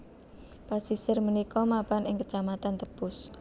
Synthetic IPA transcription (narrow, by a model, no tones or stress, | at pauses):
pasisɪrmənikɔmapanɪŋkə̥t͡ʃamat̪ant̪əb̥ʊs